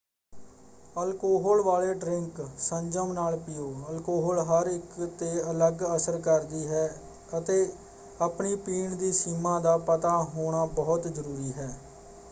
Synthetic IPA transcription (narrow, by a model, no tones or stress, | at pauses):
əlkoːɦɔːlʋaːleːɖɾɪŋksəɲd͡ʒəmnaːlpɪjoːəlkoːɦoːlɦəɾɪkt̪eːələɡəsəɾkəɾd̪iːɦɛː | ət̪eː | apɳiːpiːɳd̪iːsiːmãːd̪aːpət̪aːɦoːɽ̃aːbɔːt̪zəɾuːɾiːɦɛː